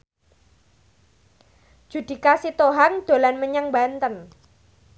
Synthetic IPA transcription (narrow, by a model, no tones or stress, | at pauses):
d͡ʒ̥ṳd̪̥i̤kasit̪oɦaŋd̪̥o̤lanməɲaŋbant̪ən